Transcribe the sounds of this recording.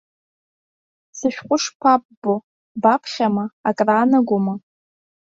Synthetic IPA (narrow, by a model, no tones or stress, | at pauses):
sɨʃᶣqʷʼʊʂpʷʰap̚ʼːo | bapʰχʲamɐakʼraːnɐɡʷʊmɐ